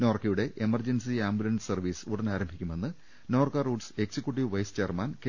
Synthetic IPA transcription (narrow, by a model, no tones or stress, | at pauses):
noːrkijuɽe̞ʔemɐrd͡ʑɐnsiaːmbulɐɳɖɨsɐrʋiːsuɽɐnaːɾɐmbʱikʲːume̞nːɨ | noːrkɐruːɖse̞ksikʲːjuʈ̬ːiʋʋɐjst͡ɕejːɐrmaːnk